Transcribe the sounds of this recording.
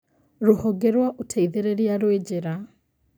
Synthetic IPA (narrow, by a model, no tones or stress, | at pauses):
ɾohɔɡeɾwaʔotʰaiðeɾeɾjaɾwed͡ʑeɾa